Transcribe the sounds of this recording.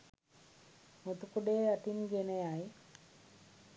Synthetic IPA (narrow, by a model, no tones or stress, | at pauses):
mut̪ukuɖeaʈinɡeneaj